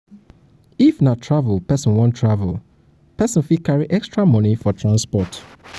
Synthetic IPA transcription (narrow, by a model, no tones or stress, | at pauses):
ifnatʰɹavlpɛsɔ̃nwɔ̃ntʰːɹavəl | pɛsɔ̃nfikaɹiʔɛkstɹamɔnifɔtʰɹãnspɔt